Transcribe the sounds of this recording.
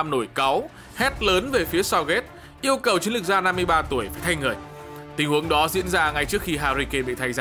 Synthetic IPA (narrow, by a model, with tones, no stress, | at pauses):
mno˧˩jka˨˦w | hɛ˦˥t̚ləː˨˦nve˨˩fi˨˦əsa˧wɣe˦˥t̚ | ʔi˧əwkə˨˩wt͡ɕi˨˦nlɨ˨˩k̚zaː˧na˧mːɨ˧əjɓaː˧t̪u˧˩əjfaː˧˩jt̪ʰa˧jŋɨ˨˩əjt̪ï˧˩ŋhu˨˦əŋɗɔ˨˦zḭ˧˥ənzaː˧ŋa˧jt͡ɕɨ˦˥ək̚xi˧ɦaː˧zi˧ke˧ɓḭ˧˨t̪ʰa˧jzaː˧˩